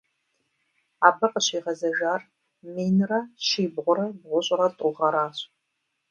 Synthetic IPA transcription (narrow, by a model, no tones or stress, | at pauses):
aːbɐqʼəɕiːʁɐzɐʒaːr | miːnrɐʃiːbʁʷʊɾɐbʁʷʊɕʼɪrɐtʼʊʁɐɾaːɕʼ